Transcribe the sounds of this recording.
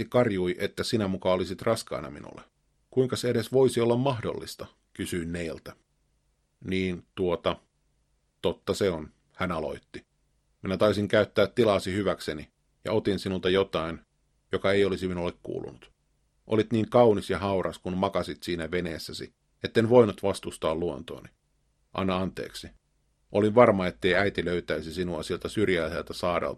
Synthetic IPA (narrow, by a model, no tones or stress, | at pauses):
ikɑrjuiʔet̪ːæsinæmukɑolisit̪rɑskɑ̰inɑ̰mḭnṵlːḛ | kuiŋkɑseeɾesʋoisiolːɑmmɑhdo̰lːist̪ɑ | kysyinneilt̪æ | niːnt̪uot̪ɑ | t̪ot̪ːɑseon | hænɑlo̰it̪ːi | minæt̪ɑisiŋkæyt̪ːæːt̪tːilɑːsihyʋækseni | jɑ̰ot̪insinult̪ɑjot̪ɑin | jokɑeiolisiminolekkṵːlṵnut̪ | ʔolit̪niːŋkɑunisjɑhɑurɑskunmɑkɑsit̪siːnæʋenḛːsːæsḭ | et̪ːenʋoinut̪ʋɑst̪ust̪ɑːluo̰nt̪o̰ːni | ʔɑ̰nːɑɑnt̪ḛːksi | ʔoliʋʋɑrmɑet̪ːeiæit̪iløyt̪æisisinuɑsielt̪æsyrjæːselt̪æsɑːɾḛlt̪ɑ